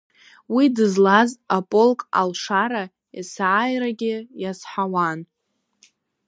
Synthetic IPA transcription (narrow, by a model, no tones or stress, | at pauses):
widɨzlazapʼo̞lkʼa̰lʂaɾa | isaʕajraɡʲɪjasħawan